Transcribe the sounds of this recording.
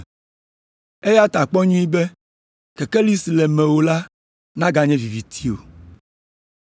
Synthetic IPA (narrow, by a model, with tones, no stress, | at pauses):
e˦ja˦t̪a˨k͡pɔ˦ɲũ˦i˦bɛ˦ | kɛ˨kɛ˦li˦si˨lɛ˨mɛ̃˨wo˨la˦ | nã˦ɡa˨ɲɛ̃˦vi˨vi˨t̪ʰi˦o˨